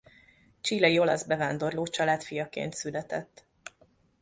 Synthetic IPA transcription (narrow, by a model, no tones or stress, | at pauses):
t͡ʃiːlɒjio̞lɒ̰zbɛvaːnd̪o̞rloːt͡ʃɒlaːt̪fijɒkḛːnt̪sylɛt̪ɛt̪ː